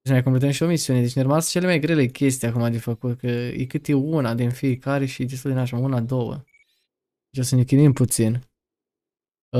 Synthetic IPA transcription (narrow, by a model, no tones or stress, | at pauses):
səmajkomplet̪əmʃio̞misiune̞d̪e̞t͡ʃnerəmasə̥t͡ʃe̞le̞majɡɾe̞le̞kʲe̞s̬t̪ijakumad̪efəkut̪kəjʔekɨt̪eunad̪infiekaɾe̞ʃid̪est̪uld̪enaʃaunad̪o̞wə̰ | d̪et͡ʃosənekʲimimput̪sin